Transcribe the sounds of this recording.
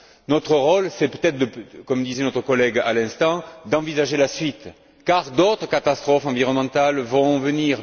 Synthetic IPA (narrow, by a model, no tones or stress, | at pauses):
nɔt̪χəʁɔlsɛpøt̪ɛt̪χəd̪əkɔmd̪izɛnɔt̪χəkɔlɛɡa̰lɛ̃st̪ɑ̃d̪ɑ̃vizaʒelasɥit̪ | kaʁd̪ot̪χəkat̪ast̪χɔfɑ̃viʁɔnəmɑ̃t̪alvɔ̃vəniʁ